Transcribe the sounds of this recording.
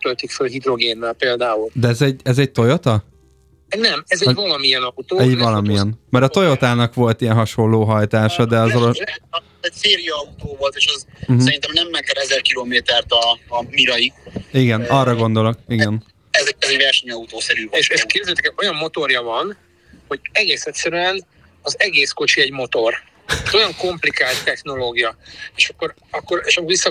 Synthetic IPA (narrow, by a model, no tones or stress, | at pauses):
t̪ølt̪ikfølɦid̪ɾo̞ɡeːnːɛlpeːld̪aːuld̪ɛɛzɛɟɛzɛc̚t̪o̞jo̞t̪ɒ | nɛmɛzɛɟvɒlɒmiɛnɒut̪oːɛɟvɒlɒmijɛnmɛɾɒt̪o̞jo̞t̪aːnɒkʋo̞lt̪ijɛnɦɒʃo̞lːoːɦɒjt̪aːʃɒd̪ɛɒzoloɛ | ɛseːɾijɒut̪oːvo̞lt̪eːʃɛz̩ɦsɛɾint̪ɛmnɛmːɛkɛɾɛzɛrkiloːmeːt̪ɛrt̪ɒːmiɾɒjiiɡɛnɒrːɒɡo̞nd̪o̞lo̞k̚iɡɛn | ɛzɛk̚pɛzevɛrʃɛɲɒut̪oːsɛɾyːvoeʃeʃkeːbzet̪ɛ̥kɛo̞jɒmːo̞t̪o̞rjɒvɒn | ho̞ɟɛɡeːsɛt̪sɛɾyɛn | ɒzɛɡeːsko̞t͡ʃiɛɟmo̞t̪o̞r | zo̞jɒŋko̞mplikaːlt̪ːɛxno̞loːɡijɒeːʃɒkːo̞ɾ | ɒkːo̞ɾeːʃɒkːoɾʋisːɒ